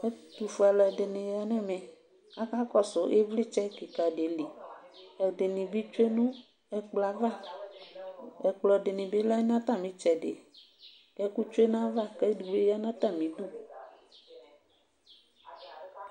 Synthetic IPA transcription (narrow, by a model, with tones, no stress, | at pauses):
e˦t̪u˨fu˨a˨lɛ˨ɖe˨nẽ˨ja˨nɛ̃˦mɛ̃˨ | a˦ka˦kɔ˦so˨ʔe˦vli˦t͡ʃɛ˦ki˨ka˨ɖe˨li˨ɛ˨ɖe˨nĩ˨bi˦t͡ʃo˦e˦nũ˦ | ɛ˦k͡pla˨va˦˨ | ɛ˨k͡plɔ˨ɖe˨nĩ˨be˦lɛ˦nã˦t̪ã˦˨mĩ˨˦t͡ʃɛ˨ɖḛ˨ | kɛ˦ku˦t͡ʃo˦e˦nã˦va˦kɛ˦du˨be˦ja˦nã˦t̪ã˦˨mĩ˨du˦